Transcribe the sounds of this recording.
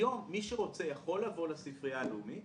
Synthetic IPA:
o̞mːiʃeʁo̞t͡se̞jaχo̞lːavo̞lasifʁiaːlumi

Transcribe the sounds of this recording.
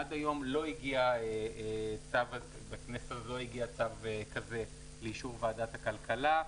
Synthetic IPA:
ad̪ajo̞mlo̞iɡiaeet͡savat | beknesezlo̞iɡiat͡savekaze | leiʃuʁvadat̪hakalkala

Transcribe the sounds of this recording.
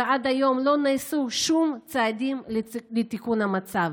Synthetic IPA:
ʔad̪ajo̞mlo̞naːsuʃumt͡sead̪imlet̪ikunhamat͡sav

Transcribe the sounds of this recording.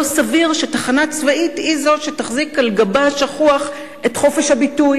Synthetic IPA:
osaviʁʃetaχanat͡svaitizo̞tʃetaχzikalɡabaʃaχuaχ | e̞tχo̞fe̞ʃhabituj

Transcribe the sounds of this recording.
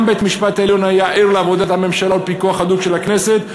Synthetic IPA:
mbejt̪miʃpat̪aeljonajaʔiʁleavo̞d̪at̪hame̞mʃalaolpikuaχad̪ukʃe̞lakne̞set̪

